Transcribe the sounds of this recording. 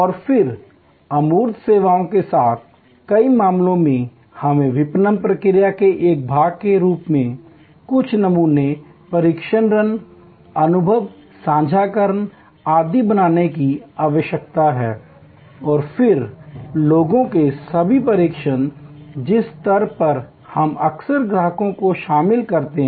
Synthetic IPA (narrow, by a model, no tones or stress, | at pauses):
ɔːɾfɪɾ | ɐmuːɾd̪ʱseːʋaːõkesaːt̪̚ʰ | kɐimãːmlõmẽ | hɐmẽʋɪpnəmpɾəkɪɾjakeʔeːk̚bʱaːɡ̚keɾuːpmẽ | kʊt͡ʃʰnɐmuːnepɐɾiːkʃənɾən | ɐnʊbʱəʋ | sãːd͡ʒʱaːkəɾən | aːd̪ibɐnaːnekiaːʋəʃjək̚t̪aɦɛː | ɔːɾfʰɪɾloːɡõkesɐbʱipəɾiːkʃənd͡ʒɪst̪ɐɾpɐɾ | hɐmɐksəɾɡɾaːɦəkõkoʃaːmɪlkɐɾt̪eɦ